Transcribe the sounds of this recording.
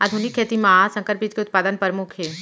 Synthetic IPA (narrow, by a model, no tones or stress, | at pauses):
ad̪ʱunɪkʰːeːt̪imãːsɐ̃ŋkəɾpid͡ʒkeʊt̪̚paːd̪ənpəɾmʊkʰe